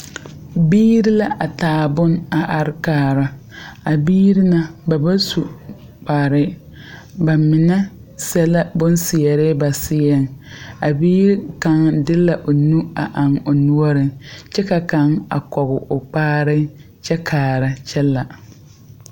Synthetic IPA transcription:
biː˦ɾɪ˦la˦ʔa˨taː˨bʊ˦na˨ʔa˨ɾɪ˦kaː˨˦ɾa˨a˨biː˦ɾi˦na˦ba˨ba˦su˨ | k͡pa˨ɾɪ˦ | ba˨mɪ˨nɛ˦ | sɛ˦la˦bʊ˦nsɪ˨ɛ˨ɾɪ˦ba˨sɪ˦ɛ˦ŋa˨biː˦ɾi˦ka˨ŋdɪ˦la˨ʔo˨nu˦a˨ʔa˨ŋo˨nu˦ɔ˦ɾɪ˨t͡ʃɛ˦ka˨ka˨˦ŋa̰˨kɔ˨ɣʊ˨ʔʊ˨k͡paː˦ɾɪ˦ | t͡ʃɛ˦kʰaː˨ɾa˨t͡ʃɛ˦lːa˨

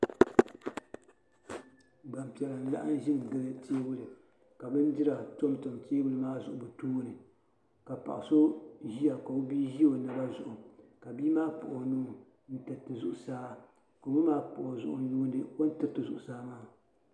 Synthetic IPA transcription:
ɡ͡ba˨mpi˨ɛ˨la˨n̩˦la̰˦ʔa˦n˦ʒɪ˦ŋ˨ɡɨ˦lɨ˦teː˦bʊ˦lɨ˨ | ka˨bɨ˦ndi˦ɾa˨to˦mto˨mteː˦bʊ˦lɨ˨˦maː˦zʊ˨ʔʊ˨bɨ˨tuː˦nɨ˨ | ka˨pa̰˨ʔɪ˨so˦ʒi˦a˨ka˨o˦biː˦ʒi˦o˨nɨ˨ba˦zʊ˨ʔʊ˨ka˨biː˦maː˦pʊ̰˨ʔo˨nu˦˨ | n̩˦tɨ˨tɨ˨zʊ˨ʔʊ˨saː˦ | ko˨mɨ˦maː˦pʊ̰˨ʔo˨zʊ̰˨ʔʊ̰˨juː˦ndɨ˨ko˦n˦tɨ˨ɾtɨ˨zʊ˨ʔʊ˨saː˦maː˦

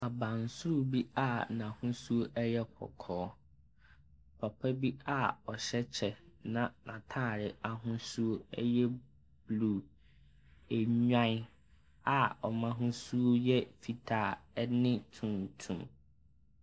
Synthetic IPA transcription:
a˨bã˨n˨sʊ˦ɾu˦bi˦a˦˨nã˨hʊ̃˦su˦o˦ʔɛ˦jɛ˦kʰɔ̰˨kʰɔː˦ | pʰa˨pʰa˦bi˦a˦˨ɔ˨ɕɛ˦t͡ɕʰɛ˨nã˦˨nã˨tʰaː˦˨ɾɪ˨a˨ɦʊ̃˦su˦o˦ɛ˦jɛ˦ | b̥lu˨ | e˨ɲᶣã˦ | a˨ɔ˨mã˦ɦʊ̃˦su˦o˦jɛ˦fi˨tʰaː˨˦nɪ̃˦tʰũ˨ntʰũ˨m

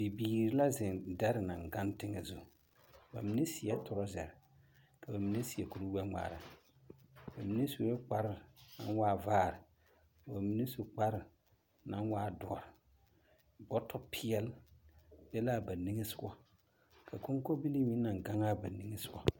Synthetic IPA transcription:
bi˨biː˨ɾi˦la˦zɪ˨nda˦ɾɪ˨na˨ŋɡa˦ntɪ˦ŋɛ̰˨zu˦˨ | ba̰˨mi˦ne˦si˨ɛ˦tʊ˨ɾɔ˦zɛ̰˨ɾɪ˨ | ka˨ba˨mi˦ne˦si˨ɛ˨ku˨ɾu˦wɛ˦ŋ͡ma̰ː˨ɾa̰˨ | ba˨mi˦ne˦su˨˦ɛ˦k͡pa˦ɾɪ˨na˨nwaː˦˨vaː˦˨ɾɪ˨ | ba˨mi˦ne˦su˨k͡pa˦ɾɪ˨ | na˦nwaː˦dɔ̰˨ɾɪ˨ | bɔ˦tʰɔ˦pʰi˦ɛ˦lbɛ˦la˦ba˨ni˦ŋe˦sʊ˦ɡɔ˦ | kʰa˨ko˦ŋ˦ko˦bi˦li˦mi˦na˨ŋ˨ɡa˦ŋaː˦ba˨ni˦ŋe˦sʊ˦ɡɔ˦

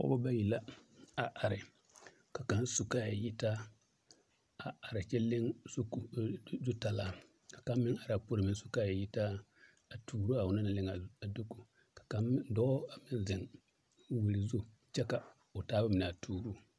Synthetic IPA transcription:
ɔ̰˦ba˦ba˦ji˨la˦a˨ʔa˨ɾɪ˨ | ka˨ka˨˦n˦su˨ka˦˨a˨ji˦ta˦ | a˨a˨ɾɪ˨t͡ʃɛ˦lɪ˦ŋ˦kzu˦ta˨laː˦˨ | kḁ˨ka˦mː˦ɪ˦ŋa˨ɾa˨po˦ɾɪ˦˨mɪ˨n˦su̥˨ka˦˨a˨ji˦ta˦ | a˨tʰuː˨ɾu˦a˨wʊ˦na˦na˨lɪ˦ŋa˨a˨do˦ku˨ | kḁ˨ka˨m˦dɔ˦a˨mɪ˦n˦zɪ˨ŋ | wi˨ɾi˨zu˦ | t͡ʃɛ˦ka˨ | ʊ˨taː˦ba˦mɪ˨n˨a˨tʰuː˨ɾu˦

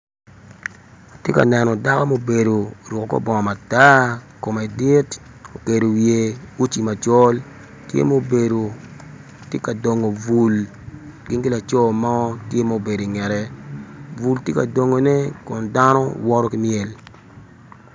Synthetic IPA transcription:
o˨tje˦ka̰˨nɛ˨nɔ˨da˦ko˦mo˦˨be˨do˨ɾʊ˨ko˨ko̰˦bɔ˨ŋɔ˨ma˨ta˦ | ko˨ma˨dɪ˦t | o˨ke˨do˨wje˨u˦t͡ʃi˨ma˨t͡ʃɔ˦l | tjḛ˦mo˦o˨be˨do˨ | tje˦ka˨do˨ŋo˨vu˨l | ɡɪ˦nkɪ˦la˨t͡ʃɔ˦˨ma˦ɔ˦tje˦mo˦o˨be˨do˨i˨ŋɛ˨ɾɛ˦ | vu˨ltje˦ka˨do˨ŋo˨nɛ˦kʊ˨nda˦nɔ˦wɔ˦ɾɔ˦ki˦mjɛ˨l

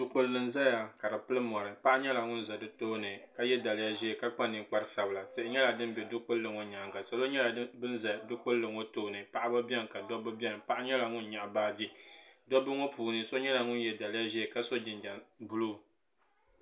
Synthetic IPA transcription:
du˨k͡po˨llɨ˨n˨za˦ja˨ka˨dɨ˨pɨ˦lɨ˦m˨ɔ˨ɾɨ˨pa˦ʔa˦ɲɛ˦la˨ŋʊ˦n˦za˨dɨ˦to˦nɨ˨ka˦jɛ˦da˨lɪ˦ja˦ʒɛ˦˨ka˦k͡pa˦nɨ˨k͡pa˦ɾɨ˦sa˨bɨ˨la˨tɨ˨ʔɪ˦ɲɛ˦la˨dɨ˦m˦bɛ˨dʊ˦k͡po˦llɨ˨ŋo˦ɲa˨ŋɡa˨sa˨lo˦ɲɛ˦la˨˦bɨ˦n˦za˨dʊ˦k͡po˦lɨ˦lɨ˨ŋo˦toː˦nɨ˨pa˨ʔa˦ba˦bɛ˦ŋ˨ka˨dɔ˦bɨ˦bʲɛ˦˨n˨pa˦ʔa˦ɲɛ˦la˨ŋʊ˦nɲa˨ʔbaː˦d͡ʒi˦dɔ˦bɨ˦ŋo˦puː˨nɨ˦so˦ɲɛ˦la˨ŋʊ˦n˦jɛ˨da˨lɪ˦a˦ʒɛː˦˨ka˦so˦d͡ʒɪ˨nd͡ʒa˨nbu˦lu˦˨

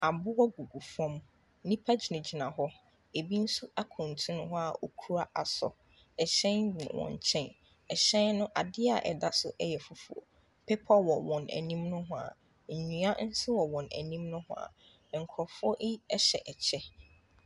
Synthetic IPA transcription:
a˨bʊ˦wɔ˦ɡu˨ɡu˨fɔ̃˦m˦ | nĩ˦pʰa˦d͡ʑi˨nʊ̃˨d͡ʑi˨nã˨ɦɔ˦ | e˨bi˦n̩˦su˦a˦kʰʊ̃˨n˨tʰũ˦nʊ̃˦ɦʊ˦a˨o˨kʰu˦ɾa˦ʔa˨sɔ̰˨ | ɛ˨ɕɛ̃˦nḭ̃˨wɔ̰̃˨ɲ˨t͡ɕʰɛ̃˦n | ɛ˨ɕɛ̃˦nnʊ̃˦ʔa˨dɪ˦a˨ʔɛ̰˨da˦sʊ˦ʔɛ˦jɛ˨fʊ˨fṵ˨o̰˨ | pʰɛ˦pʰɔ˦wɔ˨wɔ̃˨næ̰˨nĩ˦mnʊ̃˦ɦʊ̃˦a̰˨ | ɲ̩˨ɲũ˨˦a˦n̩˦sɪ˦wɔ˨wɔ̃˨næ̰˨nĩ˦mnʊ̃˦hʊ̰̃˦a̰˨ | ŋ̩˨kʰɔ˨fɔ˦ʔi˦ɛ˦ɕɛ̰˨ʔɛ˨t͡ɕʰɛ˦

